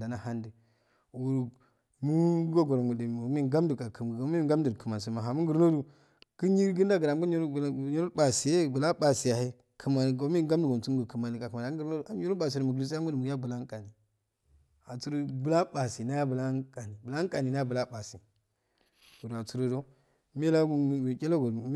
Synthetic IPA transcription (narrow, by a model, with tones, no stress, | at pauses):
da˨na˦ha˦ndi˨ | wu˨ɾ | mu˦ɡo˦ɡo˨ɾŋu˨di˨˦i˦ɡa˦mdu˨ka˨kʰə˨mɡɡo˨˦i˦ɡa˦m˦di˨ɾkə˨ma˨ns̬i˨ma˨ɦa˨mu˦ɡə˨ɾno˦du˨ | ki˦ɲi˦ɾɡi˦n˦da˦ɡə˨ɾa˨m˦ɡu˦ɾɲo˦ɾo˦ba˨si˨e˦˨bu˨la˦ba˨si˨ja˨he˦ | kʰə˨ma˨ɡo˨˦mi˦ɡa˦m˦du˨ɡo˨u˦ŋɡu˨kə˨ma˨ni˨ka˨ku˨ma˨a˨˦ɡɾo˦da˨˦u˦ɾo˦ba˨s̬i˨do˨mu˨ɡlu˨s̬a˦mu˦di˨mu˨˦a˦bu˨la˦ŋ˦kʼa˨ni˨ | a˨t͡su˦ɾu˦bu˨la˦ba˨si˨na˦ja˦bu˨la˦ka˨ni˨bu˨la˦kʼa˨ni˨na˦ja˦bu˨la˦ba˨si˨ | ɡu˨ɾa˨t͡su˦ɾo˦do˦ | me˦la˦ɡu˦˨kʲe˦lo˦ɡo˨˦